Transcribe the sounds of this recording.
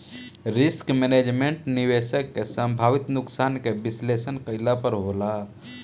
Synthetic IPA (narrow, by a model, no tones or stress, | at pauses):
ɾiskmened͡ʒmeɳʈniʋesəkːesə̃mbʱaʋit̪nuksankebislesənkəɪlapəɾɦola